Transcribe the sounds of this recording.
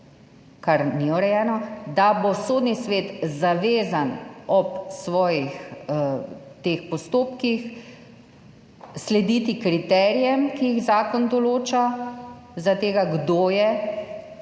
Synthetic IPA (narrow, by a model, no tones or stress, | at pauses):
kaɾniɔɾɛjɛːnɔd̪abosoːd̪nisʋeːt̪zaʋeːzanɔpsʋɔːjix | t̪eːxpɔst̪oːpkix | slɛd̪iːt̪ikɾit̪ɛːɾijɛmkijiɣzaːkɔnd̪ɔloːt͡ʃa | zat̪eːɡaɡd̪oːjɛ